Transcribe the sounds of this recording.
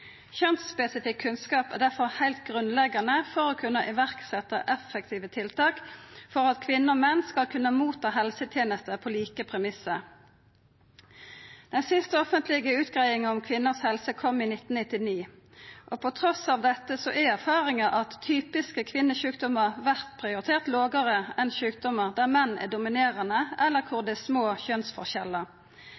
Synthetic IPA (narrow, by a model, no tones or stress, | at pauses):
çɛnt̪spɛsɪfɪkʰːʉnskɑːpæ̰ːʁd̪æʁfɔʁhæɪlt̪̚ɡʁʉnlɛɡɑnəfɔʁoːkʰʉnːəʔɪʋæʁksɛt̪ə̰ʔɛfɛk̚t̪ʰiːʋət̪ʰɪlt̪ʰɑːkfɔʁɑt̪kʰʋɪnːəoːmɛnːskɑlkʰʉnːəmuːt̪ʰɑːɦɛlsət̪ʰjeːnəst̪əpʰoːliːkəpʰʁɛmɪsə | d̪̥ɛnsɪst̪əɔfənt̪ʰlɪɡəʉːt̪ɡ̥ʁæɪɪŋəʊmkʰʋɪnːəʁshɛlsəkʰɔmːiːnɪt̪ːn̩nɪt̪ɪniː | ʔopʰɔt̪ʰʁɔsɑːʋd̪ɛt̪ːəsɔʔɛæʁfɑːʁɪŋəʔɑt̪ʰːyːpɪskəkʰʋɪnːəɕʉːk̚d̪ɔməʁʋæʁt̪pʰʁɪʊʁɪt̪ʰeːʁt̪loːɡəʁəɛnʃʉːk̚d̪ɔməʁd̪æːʁmɛnːæ̰ʁd̪ʊmɪneːʁənəʔɛlːəʁkʰʊʁd̪ɛsmoːçœnsfɔʁʃɛlːəʁ